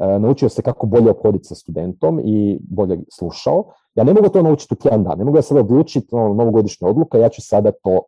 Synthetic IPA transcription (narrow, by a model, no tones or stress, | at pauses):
ənaut͡ʃiosekako̞bo̞ʎeopxo̞d̪it̪sast̪ud̪e̞nt̪o̞mibo̞ʎeslˠuʃa̰o | jaːne̞mo̞ɡut̪o̞naut͡ʃi̥t̪ut̪ʲjed̪and̪a̰nːe̞mo̞ɡujasad̪aod̪lˠuːt͡ʃit̪onono̞ʋoɡo̞d̪iʃɲao̞d̪lˠukejaːt͡ɕusad̪at̪oː